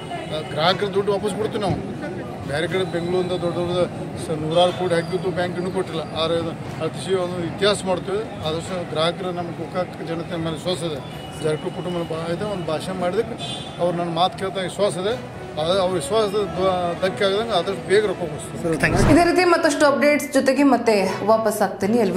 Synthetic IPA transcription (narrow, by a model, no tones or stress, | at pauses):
ɡɾaːɦɐkɐɾɐd̪uɖːʋaːpɐs̬biɽt̪ːunaːʋu | beːɾeɡɐɽebeŋɡɭuːɾind̪ɐd̪ɔɖːɔɽd̪ɐ | nuːɾaːɾukoːʈɦaːɡibud̪ːubjaːŋkenːuːkoʈːilːɐaːɾe | ɐt̪iʃiond̪uit̪iɦaːsɐmaːɽt̪iʋ | aːd̪ɐʂʈuɡɾaːɦɐkɐɾɐnɐmːɐɡukakd͡ʒɐnɐt̪emeːlʋisʋaːsid̪e | d͡ʒ̪ɐɾɐkʈːukuʈumbɐnɐbaid̪eond̪ubʱaːʃɐmaːɽid̪ɐkːe | ɐʋɐɾunɐnːɐmaːt̪ʰkeːɭt̪aʋisʋaːsid̪e | aɐʋɐɾʋisʋaːsid̪ed̪d̪ɐkːaːɡd̪ɐŋɡɐaːd̪ɐʂʈubeːɡɐɾokobost̪iid̪eɾiːt̪̬imɐt̪ːɐʂʈuɐp̚ɖeːʈsd͡ʒɔt̪eɡemɐt̪ːeʋaːpɐsaːɡ̚t̪iniɐlʋ